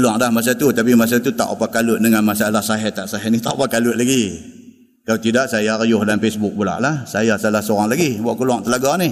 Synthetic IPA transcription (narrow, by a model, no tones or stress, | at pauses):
luaŋlahmas̬at̪ut̪ap̬imas̬at̪ut̪a̰ʔṵpakalʊt̪̚nəŋanmasaalahsaɦɛt̪aʔsaɦɛnit̪aʔupakalʊt̪̚laɡi | kalat̪idaʔsajarjʊhdanfesbʊk̚bula̰ʔlahsajasaalahsoɾaŋlaɡibaʔkuluaŋt̪əlaɡani